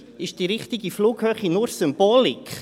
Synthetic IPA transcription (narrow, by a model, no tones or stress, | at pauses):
ɪʃd̥iɾɪχtɪɡifluːkhøːχinʊɾsʏmb̥oːlikχ